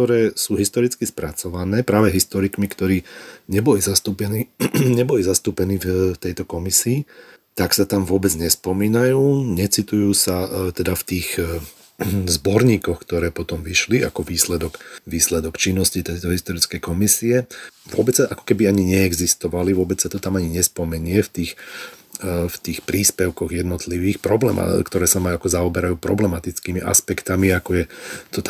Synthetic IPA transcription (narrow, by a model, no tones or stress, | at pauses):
t̪ɔɾɛːsuːɦist̪ɔɾit͡skispɾʔat͡sɔʋanɛːpɾaːʋɛɦist̪ɔɾikmikt̪ɔɾiːɲɛbɔlizast̪uːpɛniɲɛbɔlizast̪uːpɛniːfft̪ɛjt̪ɔkɔmisiː | t̪aksat̪amʋʊɔbɛd͡zɲɛspɔmiːnajuːɲɛt͡sit̪ujuːsat̪ɛd̪aft̪iːɣ | zbɔɾɲiːkɔxkt̪ɔɾɛːpɔt̪ɔmʋiʃlia̰kɔʋiːslɛd̪ɔkʋiːslɛd̪ɔkt͡ʃinːɔscit̪ɛjt̪ɔɦist̪ɔɾit͡skɛjkɔmisiɛʋʊɔbɛt͡sːaʔakɔ̥kɛbiaɲiɲɛɛɡzist̪ɔʋaliʋʊɔbɛt͡ssat̪ɔt̪amaɲiɲɛspɔmɛɲɪɛft̪iːx | ft̪iːxpɾiːspɛʊkɔɣjɛd̪nɔt̪liʋiːxpɾɔblɛ̰ma̰kt̪ɔɾɛːsamaakɔzaɔbɛɾajuːpɾɔ̰blɛmat̪it͡skiːmiʔa̰spɛkt̪amiakɔjɛt̪ɔt̪